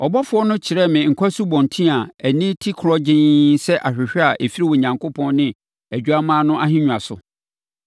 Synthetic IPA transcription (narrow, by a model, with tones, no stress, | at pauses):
ɔ˨bɔ˦fʊ˨˦ɔ˦nʊ̃˦t͡ɕʰɪ˨ɾɛ˦˨mɪ̃˨ŋ̩˨kʰʷa˦su˦bɔ̃˨ntʰĩ˦a˨æ˨nĩ˦tʰi˦kʰɾɔ˦d͡ʑɪ̃˦sɛ˦ʔa˨ɕᶣɪ˨ɕᶣɛ˦a˨ʔe˨fi˦ɾi˦wɔ˨ɲã˨ŋko˦pʰɔ̃˦nnɪ̃˨ | æ˨d͡ʑᶣu˨˦a˦mãː˦nʊ̃˦ʔa˦hɪ̃˦ɲᶣũ˨a˨sʊ̰˨